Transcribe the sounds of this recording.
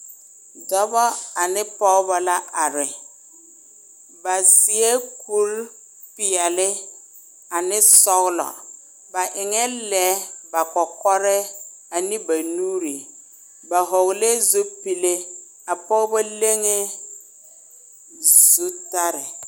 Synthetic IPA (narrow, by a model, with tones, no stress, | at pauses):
dɔ˦bɔ˦a˨nɪ˦pɔ˦ɣbɔ˨la˦ʔa˨ɾɪ˨ | ba˨sɪ˨ɛ˦ku˦ɾ | pɪ˨a˨lɪ˦ | a˨nɪ˦sɔ˦ɣlɔ̰˨ | ba˨ʔɪ˨ŋɛ˦lɛ˨˦ba˨kɔ˨kɔ˦ɾɛ˦a˨nɪ˦ba˨nu˦ɾi˨ | ba˨ɦɔ˨ɣle˦zu˦pi˨le˦ | a˨pɔ˦ba˦le˦ŋe˦ | zu˦ta˦ɾɪ˨